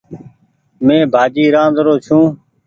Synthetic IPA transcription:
mẽːbʱaːd͡ʒiːɾãːnd̪ɾoːt͡ʃʰũː

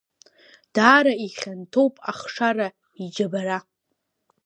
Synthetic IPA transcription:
d̥aːɾaiχʲantʰowpʼaχʂara | id͡ʒabaɾa

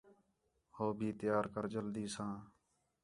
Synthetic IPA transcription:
hoːbʱiːt̪ɪjaːɾkəɾd͡ʒəld̪iːsãː

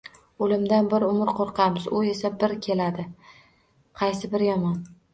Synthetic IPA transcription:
olɪmd̪anbɪɾʊmɪɾqʰoɾqʰɑmɪzʊe̞sabɪɾkʲʰe̞lad̪ɪ | qʰɑjsɪbɪɾjɒmɒn

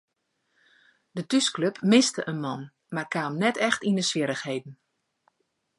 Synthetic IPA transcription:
dətyskløpmɪstəʔənmɑn | markaːmnɛtʰɛxtindəsʋɪɾəxhejdn̩

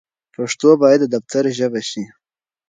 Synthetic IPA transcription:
paʂt̪obɑjad̪ːəd̪aft̪ʰaɾʒəbaʃi

